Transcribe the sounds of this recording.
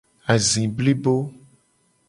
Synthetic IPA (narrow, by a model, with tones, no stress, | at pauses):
a˨zĩ˨bli˦bo˦